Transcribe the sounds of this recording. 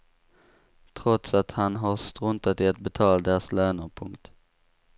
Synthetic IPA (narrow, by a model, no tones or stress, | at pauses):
t̪ʰɾɔt̪sat̪hanɦaɾst̪ɾɵnt̪at̪ɪɛt̪̚bɛt̪ʰɑːld̪eːsløːnəɾpʰɵŋkt̪